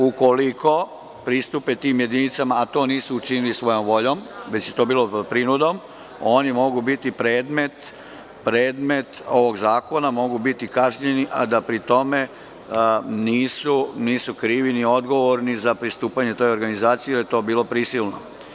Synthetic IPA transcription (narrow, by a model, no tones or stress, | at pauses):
uko̞likʰo̞ | pɾist̪upet̪iːmjed̪init̪samaːt̪o̞ːniːsuːt͡ʃinilisʋo̞jo̞mʋo̞ʎo̞mʋe̞t͡ɕjet̪o̞ːbiːlopɾinud̪o̞m | o̞ːnimo̞ɡubit̪ipɾe̞ːd̪me̞t̪ | pɾeːd̪me̞t̪o̞ʋo̞ɡzaːko̞namo̞ɡubit̪ikaʒɲe̞niʔa̰d̪apɾit̪o̞me̞ | niːsuniːsukɾiːʋinio̞d̪ɡo̞ʋoɾnizapɾist̪uːpaɲe̞t̪o̞jo̞ɾɡanizaːt̪sijeljet̪oːbiːlˠo̞pɾisilˠno̰